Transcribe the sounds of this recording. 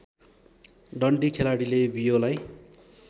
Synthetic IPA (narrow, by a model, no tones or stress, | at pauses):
ɖʌɳɖikʰelaɽilebijolaj